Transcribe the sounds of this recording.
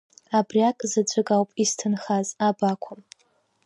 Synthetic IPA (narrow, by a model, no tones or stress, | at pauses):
abriakʼzɨt͡ʃʷʰʼɨkʼawpʼistʰɨnχazabakʷʰʊm